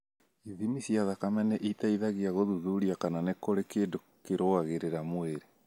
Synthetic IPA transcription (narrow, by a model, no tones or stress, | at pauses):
iðimisiaðakamɛnɛʔitaiðaɣiaɣoðuðuɾiakananekoɾekeːndo | keɾoaɣeɾeɾamweɾe